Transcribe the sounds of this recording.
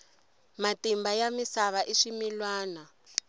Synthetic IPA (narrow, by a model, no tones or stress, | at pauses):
matimbajamisaβaʔiʂimilwaːna